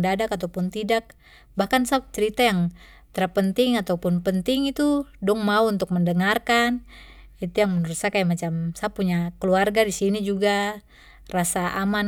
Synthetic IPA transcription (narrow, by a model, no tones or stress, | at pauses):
dadakat̪apunt̪idak̚ | bahkansap̚t͡ʃɛɾit̪ajaŋ | t̪ɛɾapənt̪iŋat̪aupunpənt̪iŋit̪udɔŋmauunt̪uk̚mɛndəŋarkan | it̪ujaŋmɛnɾusakajamat͡ʃamsapːuɲakəluarɡadisinid͡ʒuɡa | rasaʔaman